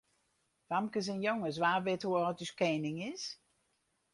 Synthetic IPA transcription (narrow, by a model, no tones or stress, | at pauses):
ʋamkəs̬ənjɔŋəs̬ʋaːʋɪtuəɔtyskɛnɪŋɪs